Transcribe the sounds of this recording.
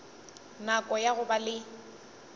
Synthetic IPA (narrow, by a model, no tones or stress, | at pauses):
nakʼɔjaɣʊbalɪ